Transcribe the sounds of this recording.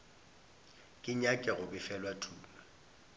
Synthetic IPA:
kʼɪɲakʼɛɣʊbɪfɛlwatʰuːmɛ

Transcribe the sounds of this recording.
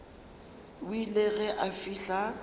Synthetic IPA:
wileɣɛʔafiːɬa

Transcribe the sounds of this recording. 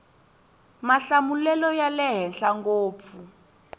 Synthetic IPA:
maɬamulɛlɔjalɛɦɛnɬaŋɡoːp̪fu

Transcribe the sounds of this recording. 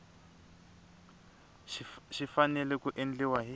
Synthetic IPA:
ʃifanɛlɛkuʔend͡ɮiwaɦi

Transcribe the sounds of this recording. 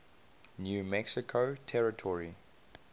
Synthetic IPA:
njuːmɛksɪkʰotʰɛɹɪtʰɔɹi

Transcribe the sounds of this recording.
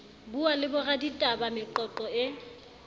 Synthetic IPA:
bualɪbʊraditʼabamɪǃɔǃɔɪ

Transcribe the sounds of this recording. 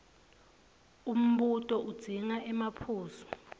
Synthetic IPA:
um̩ɓutʼɔʔud̥z̥ʱiŋaʔɛmapʰuːzɔ̥

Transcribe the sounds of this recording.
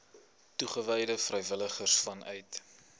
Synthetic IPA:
tuχəvɛjdəfrɛjvələχərsfɐnʔœ̰ɥt

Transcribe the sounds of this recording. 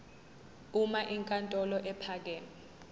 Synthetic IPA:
umaʔiŋkʼantʼɔlɔʔɛpʰaːk̬ɛ

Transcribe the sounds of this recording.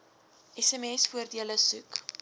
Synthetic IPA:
ɛsɛmɛsfuərdiələsʉk

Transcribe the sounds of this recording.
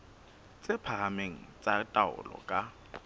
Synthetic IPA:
t͡sʼɪpʰameŋ̩t͡sʼatʼaʊ̰lɔ̰kʼa

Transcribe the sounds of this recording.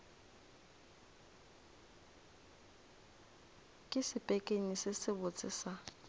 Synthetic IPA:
kʼɪsɪpʼekʼeɲisɪsɪbʊt͡sʼɪ̰sa

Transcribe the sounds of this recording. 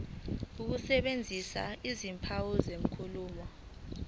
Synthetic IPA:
uk̬usɛɓend͡zʱisa̰izimpʰawuzeŋkʰuluːmɔ

